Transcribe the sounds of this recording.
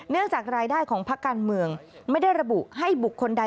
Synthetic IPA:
nɯ˥˩əŋt͡ɕaː˨˩k̚ɾaː˧jdaː˥˩jkʰɔː˩˦ŋpʰa˦˥kːaː˧nmɯ˧əŋma˥˩jda˥˩jɾa˧bu˨˩ʔɦa˥˩jbu˨˩kʰːo˧nda˧

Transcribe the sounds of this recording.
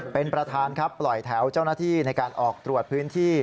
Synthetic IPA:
pe˧npɾa˧t̪ʰaː˧nkʰa˦˥pːlɔ˨˩jt̪ʰɛ˩˦wt͡ɕaː˥˩wnaː˥˩t̪ʰiː˥˩na˧jkaː˧nʔɔː˨˩k̚t̪ɾu˨˩ət̪̚pʰɯː˦˥nt̪ʰiː˥˩

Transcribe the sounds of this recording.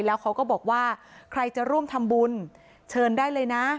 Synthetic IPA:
lɛː˦˥wkʰa˦˥wkɔː˥˩bɔː˨˩k̚waː˥˩kʰɾa˧jt͡ɕa˨˩ɾu˥˩əmt̪ʰa˧mbu˧n | t͡ɕʰɤː˧ndaː˥˩jlɤː˧jna˦˥

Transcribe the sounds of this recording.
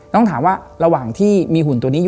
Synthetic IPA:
t̪ɔ˥˩ŋt̪ʰaː˩˦mwaː˥˩ɾa˧waː˨˩ŋt̪ʰiː˥˩miː˧ɦu˨˩nt̪u˧ni˦˥j

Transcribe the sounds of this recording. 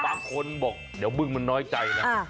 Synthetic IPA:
ɓaː˧ŋkʰo˧nɓɔ˨˩k̚ɗeː˨˩˦wmɨ˧ŋmɨ˧˩ŋnɔː˨˦˥jt͡ɕa˧jla˦˧

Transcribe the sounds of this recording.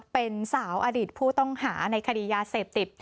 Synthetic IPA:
pe˧nsaː˩˦wʔaː˧diː˨˩t̪̚pʰuː˥˩t̪ɔ˥˩ŋhaː˩˦na˧jkʰa˧diː˧jaː˧seː˨˩p̚t̪i˨˩t̪̚

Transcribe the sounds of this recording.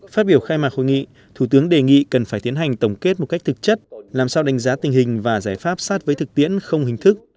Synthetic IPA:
faː˦˥t̚ɓi˧˩əwxaː˧jmaː˨˩ho̰˧˨ŋḭ˧˨ | t̪ʰu˧˩t̪ɨ˨˦əŋɗe˨˩ŋḭ˧˨kə˨˩nfaː˧˩jt̪i˨˦ənɦa˨˩jŋ̟t̪ə˧˩wŋ͡mke˦˥t̚mo˨˩t̚ka˦˥k̚t̪ʰɨ˨˩k̚t͡ɕə˦˥t̚laː˨˩msaː˧wɗa˨˦ŋ̟zaː˨˦t̪ï˨˩hï˨˩ŋ̟vaː˨˩zaː˧˩jfaː˦˥p̚saː˦˥t̚vəː˨˦jt̪ʰɨ˨˩k̚t̪ḭ˧˥ənxə˧wŋ͡mhï˨˩ŋ̟t̪ʰɨ˦˥k̚

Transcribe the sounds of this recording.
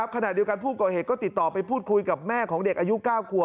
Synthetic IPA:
a˦˥p̚kʰa˧na˨˩t̪̚i˧əwka˧npʰuː˥˩kɔː˨˩heː˨˩t̪̚kɔː˥˩t̪i˨˩t̪ːɔː˨˩pa˧jpʰuː˥˩t̪̚kʰu˧jka˨˩p̚mɛː˥˩kʰɔː˩˦ŋde˨˩k̚ʔaː˧ju˦˥kaː˥˩wkʰu˨˩ə

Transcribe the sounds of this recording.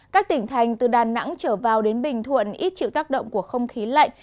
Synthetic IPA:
kaː˦˥k̚t̪ï˧˩ŋ̟t̪ʰa˨˩jŋ̟t̪ɨ˨˩ɗaː˨˩na̰˧˥ŋt͡ɕəː˧˩vaː˨˩wɗe˨˦nɓï˨˩ŋ̟t̪ʰwə̰˧˨nʔi˦˥t̚t͡ɕḭ˧˨wt̪aː˦˥k̚ɗə̰˧˨wŋ͡mku˧˩əxə˧wŋ͡mxi˨˦la̰˧˨j

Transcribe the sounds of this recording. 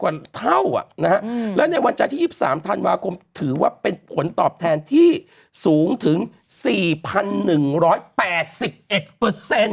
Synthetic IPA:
kwaː˨˩t̪ʰa˥˩wʔa̰˨˩ʔna˦˥khʰa˦˥lɛː˦˥wna˧jwa˧nt͡ɕa˧nt̪ʰiː˥˩iː˥˩sa̰ː˩˦mt̪ʰa˧nwaː˧kʰo˧mt̪ʰɯː˩˦waː˥˩pe˧npʰo˩˦nt̪ɔː˨˩p̚t̪ʰɛː˧nt̪ʰiː˥˩ | suː˩˦ŋt̪ʰɯ˩˦ŋ | siː˨˩pʰa˧nːɯ˨˩ŋɾɔː˦˥jpɛː˨˩t̪̚si˨˩p̚ʔe˨˩t̪̚pəː˧se˧n

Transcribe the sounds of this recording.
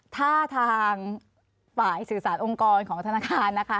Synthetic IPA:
t̪ʰaː˥˩t̪ʰaː˧ŋ | faː˨˩jsɯː˨˩saː˩˦nʔo˧ŋkɔː˧nkʰɔː˩˦ŋt̪ʰnaː˧kʰaː˧nːa˦˥kʰa˦˥

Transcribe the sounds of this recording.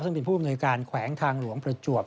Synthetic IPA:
sɯ˥˩ŋpe˧npʰuː˥˩˨a˨mnuː˧jkaː˧nkʰwɛː˩˦ŋt̪ʰaː˧ŋlu˩˦əŋpɾa˧t͡ɕu˨˩əp̚

